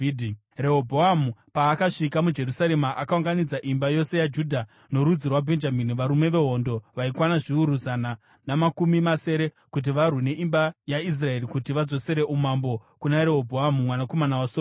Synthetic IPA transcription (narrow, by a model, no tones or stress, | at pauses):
di | re̞ɦobʱoamupaːkaʂikamud͡ʒe̞rusaɾe̞maʔakauŋɡanid͡zaʔimbajo̞se̞jad͡ʒudʱa | no̞ɾud͡zirwabʱe̞nd͡ʒaminiʋaɾume̞ʋe̞ɦo̞ndo̞ʋaikwanaʐiuɾuzana | namakumimase̞ɾe̞ | kut̬iʋarwine̞ʔimbajais̬rae̞ɾikutiʋad͡zo̞se̞ɾe̞ʔumambo̞kunaɾe̞ɦobʱoɦamumwanako̞manawaso